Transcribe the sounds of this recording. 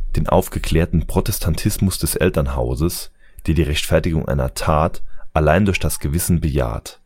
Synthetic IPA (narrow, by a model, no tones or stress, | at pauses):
d̥eːnʔa̰ʊfɡ̥əkʰl̥ɛːɐtn̩pʁ̥otɛstʰantʰɪsmʊsd̥ɛsʔɛ̰ltɐnɦa̰ʊzəs | d̥eːɐdiːʁɛçtfɛɐtɪɡʊŋʔa̰ɪnɐ̰tʰaːtʔalaɪndʊɐçd̥asɡ̥əvɪsn̩bəja̰ːt